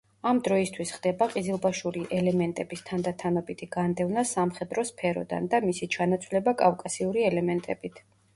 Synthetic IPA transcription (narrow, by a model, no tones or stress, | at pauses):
amd̪ɾɔist̪ʰwisχd̪ɛbaqʼizilˠbaʃuɾiʔɛlɛmɛnt̪ʼɛbist̪ʰand̪at̪ʰanɔbit̪ʰiɡ̥and̪ɛvnasamχɛd̪ɾɔspʰɛɾɔ̰d̪a̰nd̪amisit͡ʃʰanat̪sʼʰlɛbakʼafkʼasiuɾiɛlɛmɛnt̪ʼɛbit̪ʰ